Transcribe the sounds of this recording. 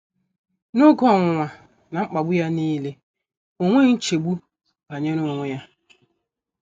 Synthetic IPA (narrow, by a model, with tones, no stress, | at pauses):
nʊ˦ɡɔ˦˨ŋʷʊ˨ŋʷa˨ | na˨ŋ͡m̩˦k͡pa˨ɡ͡bʊ˦ja˦niː˦le˦ | o˨ŋʷe˦ŋ̩˦t͡ʃe˨ɡ͡bu˦ | a˨ɲe˦no˦˨ŋʷe˦ja˦